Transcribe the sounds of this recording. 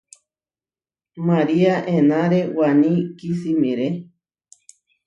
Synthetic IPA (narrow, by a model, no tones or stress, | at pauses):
maɾiaʔẽnãɾewanĩkisimĩɾe